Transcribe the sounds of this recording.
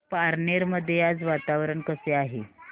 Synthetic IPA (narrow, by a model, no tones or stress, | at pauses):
paɾneɾməd̪ʱːjead͡zʋat̪aʋɾəɳkəseaɦe